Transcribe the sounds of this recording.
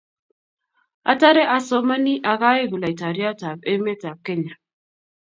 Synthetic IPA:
a̰˨ta˦ɾɛ˦ʔa˨so˦ma˦ni˦ʔa˨ɣa˦e˦ɣu˨la˨i˨ta˨ɾi˦a˦ta˨be˦me˦ta˨p̚ke˦ɲa˨

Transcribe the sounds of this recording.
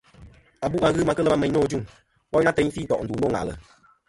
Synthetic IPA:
a˨bu˦˨ʔŋa˧˦ɣɨ˦ma˨˧kə˦lə˦ma˦mɛ˨˦ɲ˦o˦˨˦d͡ʒu˦˨ŋ | bɔ˦ɲ˦a˦tɛ˨˦ɲ˦fi˦tɔ˨ʔn̩˨du˨no˦˨ŋa̰˨lə̰˨

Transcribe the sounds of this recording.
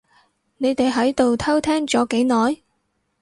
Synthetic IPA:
ne˨˧jt̪e˨jɦɐ˨˥jt̪o˨wt̪ʰɐ˥wt̪ʰɛː˥ŋt͡sɔː˨˥ke˨˥jnɔː˨j

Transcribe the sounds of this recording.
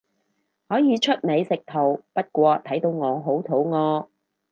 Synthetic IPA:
hɔː˨˥jiː˨˧t͡ʃʰɵ˥t̚ne˨˧jsɪ˨k̚t̪ʰo˨˩wpɐ˥t̚kʷɔː˧t̪ʰɐ˨˥jt̪o˧wŋɔː˨˧ɦo˨˥wt̪ʰo˨˥wŋɔː˧

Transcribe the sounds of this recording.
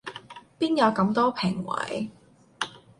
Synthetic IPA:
piː˥njɐ˨˧wkɐ˨˧mt̪ɔː˥pʰɪ˨˩ŋwɐ̰˨˥j

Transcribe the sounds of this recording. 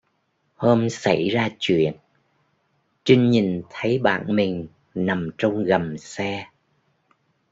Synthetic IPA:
həː˧msa˧˩jzaː˧t͡ɕwḭ˧˨ən | t͡ɕï˧ŋ̟ɲi˨˩nt̪ʰə˨˦jɓa̰ː˧˨nmï˨˩ŋ̟ | na˨˩mt͡ɕə˧wŋ͡mɣə˨˩msɛ˧

